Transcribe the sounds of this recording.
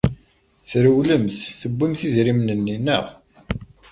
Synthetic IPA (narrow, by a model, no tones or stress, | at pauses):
θɾəwləmθθəbʷːimθizɾimnənːinːə̰ʁ